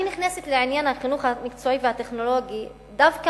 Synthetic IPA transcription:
iniχneset̪leʕinjanhaχinuχamikt͡soivehat̪e̞χno̞lo̞ɡi | d̪avka

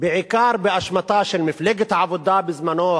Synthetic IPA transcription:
bɪʕɪkɑːɾˤbɪʔaʃmɑt̪ˤɑːʃɑɾˤmɪflaɡat̪ʕabʊd̪ɑːbɪzmanoː

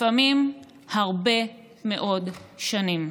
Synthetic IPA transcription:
famim | haʁbe̞ | meʔo̞dʃanim

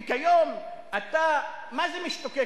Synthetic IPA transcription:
kajom | ata | mazemiʃt̪oke

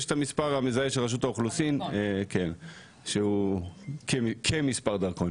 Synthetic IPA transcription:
eʃet̪amispaʁamezaeʃelʁaʃ̬utaoχlusinekʰen | ʃeukekʰemispaʁd̪aʁko̞n

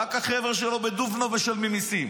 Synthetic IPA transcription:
akhaχeveʁʃelobed̪uvnoveʃelmimisim

